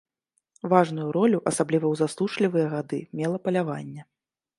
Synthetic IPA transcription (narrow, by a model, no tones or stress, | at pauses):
vaʐnujuɾɔlʲuʔɐsablʲivɐwzaslˠuʂlʲivɨjɐɣad̪ɨ̰mʲɛlˠɐpɐlʲava̰nʲːɛ